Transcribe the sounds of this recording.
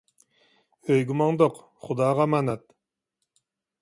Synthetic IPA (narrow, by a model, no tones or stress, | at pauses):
øjɡumɑŋd̪oq | χʊd̪ɑːʁɑmanat̪̚